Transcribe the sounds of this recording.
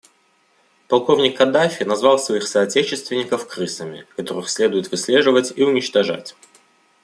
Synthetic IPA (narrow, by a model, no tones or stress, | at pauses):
pɐlˠko̞vnʲɪkːɐd̪afʲɪnɐzvɑlˠsvɐixsɐːtʲet͡ɕɪst̪vʲɪnʲɪkəfkɾɨsəmʲɪ̰kɐt̪o̞ɾɨxsʲlʲe̞d̪ʊjɪt̪vɨsʲlʲe̞ʐɨvətʲiʊnʲɪt͡ɕt̪ɐʐa̰tʲ